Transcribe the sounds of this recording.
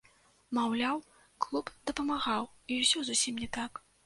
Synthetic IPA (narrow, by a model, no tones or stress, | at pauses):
mawlʲaw | klˠupd̪ɐpɐmaɣawiwsʲɔzusʲimnʲɛt̪ak